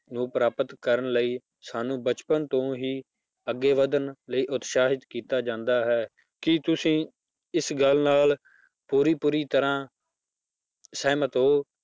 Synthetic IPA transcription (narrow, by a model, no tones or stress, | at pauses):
nũːpɾaːpət̪kəɾənləiː | saːnũːbət͡ʃpənt̪õːɦiː | əɡːeːʋəd̪ənləiːʔʊt̪ʃaːɦɪt̪kiːt̪aːd͡ʒãːnd̪aːɦɛː | kɪt̪ʊsĩː | ɪsɡəlnaːl | puːɾiːpuːɾiːt̪əɾãː | sɛːmət̪õː